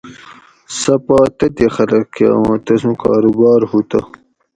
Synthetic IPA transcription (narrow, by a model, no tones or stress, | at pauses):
sɐpaːt̪ɐt̪exɐlɐkkewãt̪ɐsũkɑ̰ːɾubɑːɾhut̪ɐ